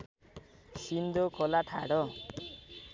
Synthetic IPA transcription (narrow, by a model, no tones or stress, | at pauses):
sind̪okʰɔlaʈʰa̰ɽɔ